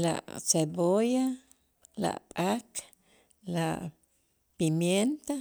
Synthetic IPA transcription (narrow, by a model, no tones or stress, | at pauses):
la̰ʔseboja | la̰ʔpʼak | laʔ | pimjent̪a